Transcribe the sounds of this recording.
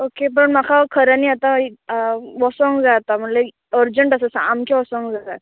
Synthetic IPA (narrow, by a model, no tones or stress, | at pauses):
okep̬əɳmakʰakʰəɾaniːat̪a | ʋɔsɔŋɡd͡zat̪am̤əʈle | əɾd͡ʑəɳʈəsəsa̰amkʰaʋɔsɔŋɡd͡zat̪a